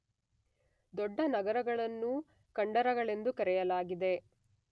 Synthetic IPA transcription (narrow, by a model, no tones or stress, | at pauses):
d̪ɔɖːɐnɐɡɐɾɐɡɐɭɐnːu | kɐɳɖɐɾɐɡɐɭe̞nd̪ukɐɾɛjɐlaːɡid̪e̞